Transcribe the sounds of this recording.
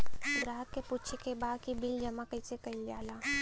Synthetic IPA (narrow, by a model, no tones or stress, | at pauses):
ɡɾaːɦəkːeputt͡ʃʰekebaːd̪kibɪld͡ʒɐmakəɪsekɐɪld͡ʒaːlaː